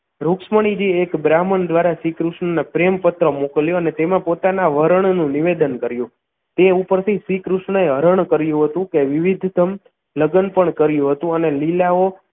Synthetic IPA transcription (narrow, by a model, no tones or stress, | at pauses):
ɾuksməɳ̃id͡ʒiekbɾamənd̪ʋaɾaʃikɾuʃɳənepɾempət̪ɾəmokəljoənet̪emãpot̪anaʋəɾəɳ̃nũniʋed̪ənkəɾjũ | t̪eupəɾt̪ʰiʃʋikɾuʃɳəeɦəɾəɳkəɾjũɦət̪ũkeʋɪʋid̪ʱt̪əm | ləɡənpəɳkəɾjũɦət̪ũənelilao